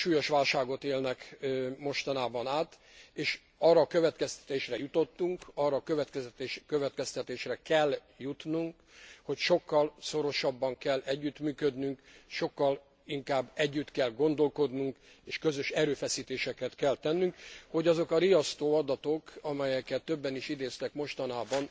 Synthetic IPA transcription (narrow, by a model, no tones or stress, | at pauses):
ʃuːjo̞ʃʋaːlʃaːɡo̞t̪eːlnɛkmo̞ʃt̪ɒnaːbɒnaːt̪ | eːʃ | ɒrːɒkøvɛt̪kɛst̪ɛ̥t̪eːʃrɛjut̪o̞t̪ːuŋkɒrːɒːkøvɛt̪kɛsɛt̪eːʃkøvɛt̪kɛst̪ɛt̪eːʃrɛkɛlː | jut̪nuŋk | ho̞cʃo̞kːɒlso̞ɾo̞ʃɒbːɒŋkɛlːɛɟːyt̪myːkød̪nyŋkʃo̞kːɒl | iŋkaːbːɛɟːyt̪kɛlɡo̞n̪d̪o̞lko̞d̪nuŋk | eːʃkø̞zø̞ʃɛɾøːfɛsiːt̪eːʃɛkɛt̪kɛlt̪ɛnːyŋkho̞ɟɒzo̞kɒɾijɒst̪oːɒd̪ɒt̪o̞kɒmɛjɛkɛt̪ːøbːɛniʃid̪eːst̪ɛkmo̞ʃt̪ɒnaːbɒn